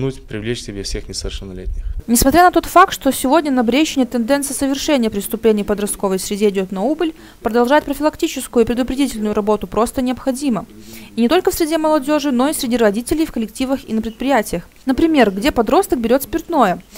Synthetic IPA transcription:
nutʲpɾʲɪvlʲet͡ɕsʲɪbʲefsʲexnʲɪsəvʲɪrʂənːɐlʲḛtʲnʲɪxnʲɪsmɐt̪ɾʲanɐt̪o̞t̪fak̚t̪ʂt̪osʲɪvo̞dʲnʲənɐbɾʲeɕːɪnʲɪjət̪ɨnd̪ɛnt̪sɨjəsəvʲɪrʂɛnʲɪjəpɾʲɪst̪ʊplʲenʲɪjpəd̪ɾɐst̪̚ko̞vəjsʲɾʲɪdʲeɪdʲot̪nɐubəlʲ | pɾəd̪ɐlˠʐaɪt̚ʲpɾəfʲɪlˠɐktʲit͡ɕɪskʊjʊpɾʲɪd̪ʊpɾʲɪdʲitʲɪlʲnʊjʊɾɐbo̞t̪ʊpɾo̞st̪ənʲɪɐpxɐdʲiməinʲɪt̪o̞lʲkəfsʲɾʲɪdʲeməlˠɐdʲo̞ʐɨno̞isʲɾʲɪdʲiɾɐdʲitʲɪlʲɪjfkəlʲɪktʲivəxḭnəpɾɪt̪̚pɾʲɪjætʲɪjəx | nəpɾʲɪmʲe̞rɡdʲe̞pɐd̪ɾo̞st̪ək̚bʲɪɾʲo̞t̪spʲɪrt̪no̞jə

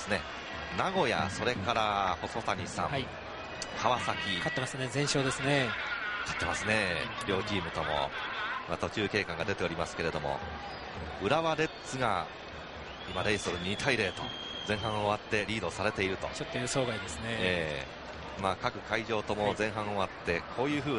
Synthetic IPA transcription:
sɨne̞ | naɡo̞ja̰so̞ɾe̞kaɾaho̞so̞taɲ̟isã̰mi | haβasakʲikat̪ːemasɨnezẽɰ̃ɕo̞ːd̪e̞sɨnekʰḁt̪ːe̞masɨne̞ɾʲo̞ːd͡ʑiːmɯ̟t̪o̞mo̞̰imat̪o̞t͡ɕɨːke̞ːkãŋɡad̪e̞t̪e̞o̞ɾʲimasɨ̥ke̞ɾe̞d̪o̞mo̞̰ | ɯ̟ɾaβaɾe̞t͡sɨɡa̰ | imaɾe̞isoɾɯ̟ɲ̟it̪ʰaiɾe̞ːt̪o̞̰ | zẽ̞ɰ̃ɦãɰ̃oβat̪ːe̞ɾʲiːd̪o̞saɾe̞t̪e̞iɾɯ̟t̪o̞̰t͡ɕot̪ːojɯːso̞ːɡaid̪esɨneeː | maːkakɯ̟kaiʑo̞ːt̪o̞mo̞zẽ̞ɰ̃ɦãɰ̃o̞βat̪ːe̞kʰo̞ːjɯ̟ːɸɯ̟ː

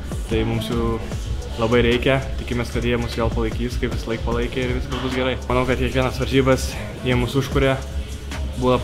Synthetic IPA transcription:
t̪ɐɪmʊmsjuːlˠɐbɐɪɾʲɛɪkʲɛt̪ʲɪkʲɪmʲeɛskɐt̪jiɛmʊsʋɛːlˠpɐlˠɐɪkʲiːskɐɪpʋʲɪsɐlˠɐɪkpɐlˠɐɪkʲeɪɾʋʲɪskɐlˠbʊsɡʲɛɾɐɪmɐnɐʊkɐt̪kʲiɛkʋʲiɛnɐsʋɐɾʲʒʲiːbɐs | jiɛmʊsʊʃkʊɾʲeː | buːʋɐ

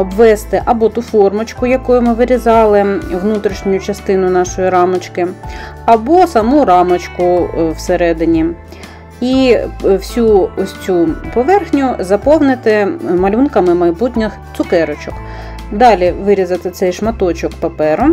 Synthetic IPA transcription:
ɔbʋɛst̪ɪʔɐbɔt̪ufɔrmɔt͡ʃkʊjɐkɔjʊmɪʋɪɾʲizɑlˠɪʋnut̪ɾʲiʃnʲʊjʊt͡ʃɐst̪ɪnʊnɑʃɔjiɾɑmɔt͡ʃkɪ | ɐbɔsɐmuɾɑmɐt͡ʃkʊwseɾɛd̪ɪnʲi | iwsʲuɔsʲt͡sʲupɔʋɛrxnʲʊzɐpɔwnɪt̪ɪmɐlʲunkɐmɪmɐjbutʲnʲɐxt̪sʊkɛɾɔt͡ʃɔk | d̪ɑlʲiʋɪɾʲizɐt̪ɪt̪sɛjʃmɐt̪ɔt͡ʃɔkpɐpɛɾʊ

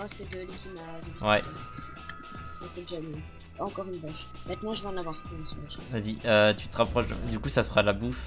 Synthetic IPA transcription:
ɔsɛd̪əlekimazɛdwɛɛ | asɛd̪ʒamɛ | ɑ̃kɔʁynbaʃ | mɛ̃t̪nɑ̃ʒəvaɑ̃navwaʁpɛɑ̃smɛʃaziøt̪yt̪əʁapχɔʃd̪̰d̪ykusafəʁalabuf

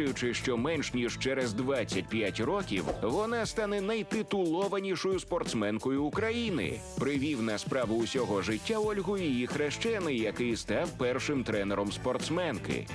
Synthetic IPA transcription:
jʊt͡ʃɪʃt͡ʃɔmɛnʃnʲiʒt͡ʃɛɾɛzd̪ʋat͡sʲːɐt̚ʲpʲjatʲɾɔkʲḭwʋɔnast̪anɛnɐjt̪ɪt̪ʊlˠɔʋɐnʲiʃɔjʊspɔrt̪smɛnkɔjʊːkɾɐjinɪ̰ | pɾɪʋʲiwnɐspɾɑʋʊʊsʲɔɦɔʒɪtʲːaɔlʲɦʊjijixɾɛʃt͡ʃɛnɪjjɐkɪjst̪ɑwpɛrʃɪmt̪ɾɛnɛɾɔmspɔrt̪smɛnkɪ̰

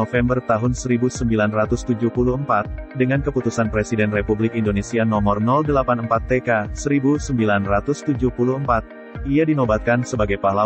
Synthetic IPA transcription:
ofɛmbərt̪aɦʊnsəɾibusəmbilanrat̪ʊst̪ud͡ʒuhpuluəmpat̪̚dəŋankəput̪usanpɾesidɛnrepublɪkindonesianɔmɔrnɔldəlapanəmpat̪ːekasəɾibusəmbilanrat̪ʊst̪ud͡ʒuhpuluəmpat̪̚ | iadinobat̪̚kansəbaɡajpahla

